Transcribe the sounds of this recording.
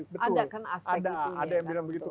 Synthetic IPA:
bəaʊakanasadaːdajaŋbilaŋbəɡitt̪u

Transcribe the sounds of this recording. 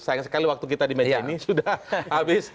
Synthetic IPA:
sajɪŋsə̥kaliwak̚t̪ukit̪adimɛainisudahhabɪs

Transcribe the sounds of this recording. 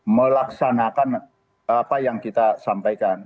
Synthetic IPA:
məlaksanakan | apajaŋkit̪asampajkan

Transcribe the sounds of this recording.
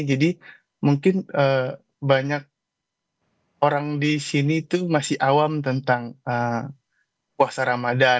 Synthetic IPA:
d͡ʒadi | muŋkɪnəː | baɲak̚ | oɾaŋdisinit̪umasɪhʔawamt̪ənt̪aŋə | puasaɾamada

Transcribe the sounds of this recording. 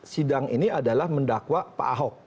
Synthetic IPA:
sidaŋiniadalahməndakwapa̰a̰ɦɔk̚

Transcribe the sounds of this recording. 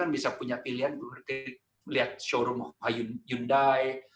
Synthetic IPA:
anbisapuɲapiliɦanɡulurki | liɦat̪̚ʃoɾʊmɔajunjundaj

